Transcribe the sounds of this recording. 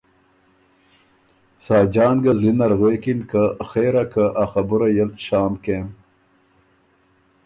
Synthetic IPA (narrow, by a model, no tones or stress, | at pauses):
sɑːd͡ʒɑːnɡɐzlinɐɾɣweːkinkəxeːɾakəʔaxɐbuɾajɐlɕaːmkeːm